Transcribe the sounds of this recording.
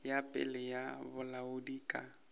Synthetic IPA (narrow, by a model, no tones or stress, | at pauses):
japʼɪ̰lɛjabʊlaʊdiːkʼa